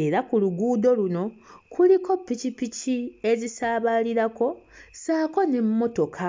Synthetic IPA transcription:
e̞ɾakuluɡuːdo̞luno̞kʰuliko̞pːicipicie̞zisaːβaliɾako̞saːko̞ne̞mːo̞to̞kʰa

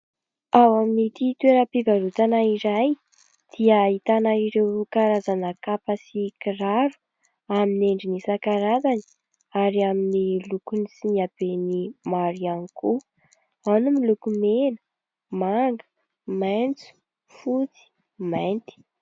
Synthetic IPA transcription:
awaminit̪it̪weɾəpivaɾut̪anaiɾaj | d̪̥iait̪anaiɾewkaɾazanəkapasikiraɾu̥ | amineɳɖ͡ʐinisakaɾazani̥ | aɾiaminilukunisiniab̥enimaɾianiku | anumilukumenə̥ | maŋɡə̥ | mant͡su̥ | fut͡si̥ | mant̪i̥

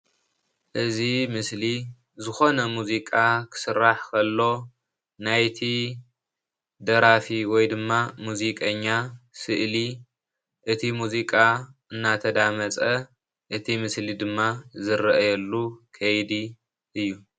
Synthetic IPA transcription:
ʔɨzimɨsli | zɨxo̞nɐmuzikʼakʰɨ̥sɨɾːaħkʰɐlːo̞ | najt̪ʰi | d̪ɐɾafiwɔjd̪ɨmːamuzikʼɐɲːasɨʔli | ʔɨt̪ʰimuzikʼaʔɨnːat̪ʰɐd̪amɐt͡sʼɐ | ʔɨt̪ʰimɨslid̪ɨmːazɨɾʔɐjɐlːukʰɐjd̪i | ʔɨjːu

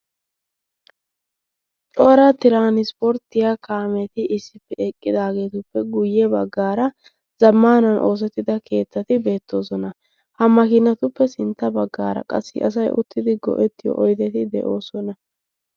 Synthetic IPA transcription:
t͡ʃʼoːɾat̪ɪɾaːnɪspɔɾt̪ɪjakaːmɛt̪ɪʔɪsːɪpːɛɛkʼːɪd̪aːɡe̞ːt̪ʊpːɛɡʊjːɛbɐɡːaːɾɐ | z̥ɐmːaːnɐnʔo̞ːs̬ɛt̪ːɪd̪ɐkʰe̞ːt̪ːɐt̪ɪbe̞ːt̪ːo̞ːsɔnɐ | hɐmɐkɪnːɐt̪ʊpːɛsɪnt̪ːɐbɐɡːaːɾɐ̰kʼɐ̰sːɪ̰ʔɐ̰s̬ɐjʔʊ̰t̪ːɪd̪ɪɡɔ̰ʔɛt̪ːɪjɔ̰ʔɔjt̪ɛt̪ɪd̪ɛ̰ʔo̞ːsɔnɐ

